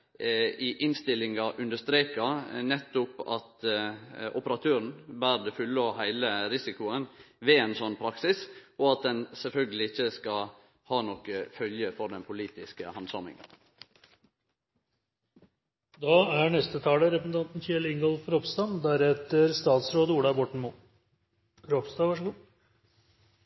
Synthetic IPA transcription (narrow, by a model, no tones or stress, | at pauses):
ɪʔɪnst̪ɪlːɪŋɑʔʉnd̪əʂt̪ɾeːkɑnɛt̪ːʊpɑ̰t̪ | ʔʊpəɾɑt̪ʰøːɾən̩bæːɾd̪ɛfʉlːəɔhæɪləɾɪsɪkʊən | ʋeːɛnsɔnːpʰɾɑksɪsɔɑt̪̚d̪ɛnsɛlfœlɡəlɪɪçːəskɑ | hɑːnɔkːəfœljəfɔɾɖ̪ɛnpʰʊliːt̪ɪskəhɑnsɑmɪ̰ŋə̰n | d̪ɑːæɳɛst̪ət̪ʰɑːləɾɛpəsn̩ʰɑnt̪n̩çelɪŋɡɔlfɾɔpst̪ɑːnd̪æɾɛt̪ːəɾst̪ɑːt̪sɾoːd̪əuːɽɑbɔʈɳ̩mu | ɾɔpst̪ɑːʋɑʂəɡuː